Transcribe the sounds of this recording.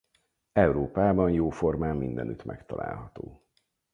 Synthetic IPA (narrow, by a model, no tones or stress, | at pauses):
ɛwɾoːpaːbɒnjoːfo̞rmaːmːind̪ɛnyt̪mʔɛ̰kt̪ɒlʔa̰ːlɦɒt̪oː